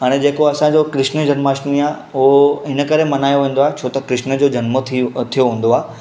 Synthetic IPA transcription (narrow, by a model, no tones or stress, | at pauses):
aɽ̃ed͡ʑeːkoɐsãd͡ʑokɾɪʃnəd͡ʑɐnmaːʃiaː | ɦɪnə̆kɐɾemɐnaːjoʋẽːn̆d̪oaɦet͡ɕʰoːt̪ɐkɾɪʃnəd͡ʑoːd͡ʑɐnmətʰt̪ʰijoɦũːn̆d̪oaː